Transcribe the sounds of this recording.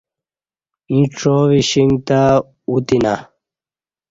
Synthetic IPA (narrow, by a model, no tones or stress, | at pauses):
ĩʈ͡ʂoːʋiɕiŋɡt̪a | ut̪ina